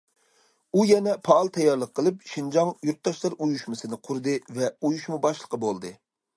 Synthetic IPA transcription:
ujɛnɛpʰɑːlˠt̪ʰɛjːɑɾlˠəqʰːəlˠɨp̚ʃind͡ʒɑŋjuɾt̪̚d̪ɑʃlˠɑɾujuʃmɨsɨnɨqʰuɾɨd̪ɨvɛujuʃmubɑʃlˠəqʰəbolˠd̪ɨ

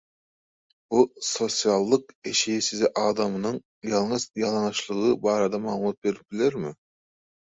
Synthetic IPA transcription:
b̥usosijɑlˠːəqeʃijsɪzɛʔɑːd̪ɑmɨnɨŋ | jɑlˠŋɨzjɑlˠɑnʃlˠəʁəbɑːɾɨd̪ɑmɑmɑt̪̚beɾɪp̚b̥ɪlɪɾmu

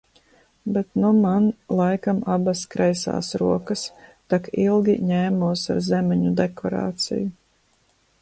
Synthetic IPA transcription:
bet̪numanlˠajkamabaskɾʔɛjsa̰ːsɾuɔkɐst̪akilˠɡʲḭɲɛːmuɔsa̰ɾzɛmɛɲud̪ekʰɔɾa̰ːt̪sḭju

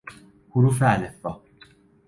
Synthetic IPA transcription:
hʊɾuːf̬eælefːɒː

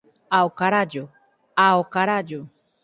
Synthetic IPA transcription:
awkaɾad͡ʒo | aokaɾad͡ʒo

